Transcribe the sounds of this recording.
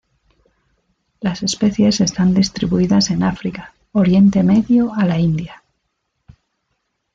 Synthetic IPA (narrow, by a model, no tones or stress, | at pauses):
lase̞spe̞θje̞se̞st̪and̪ist̪ɾiβuiðase̞nafɾika | oɾje̞nt̪e̞me̞ðjo̞alaind̪ja